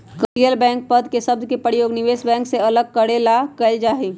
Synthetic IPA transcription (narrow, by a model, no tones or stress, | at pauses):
kɾijəlbɛ̃ːŋk̚pəd̪ʱkesɐb̚d̪kepəɾjoːɡnɪʋeːsbɛ̃ːŋkseɐləɡ̚kəɽeːlakɐɪld͡ʒaːɦiː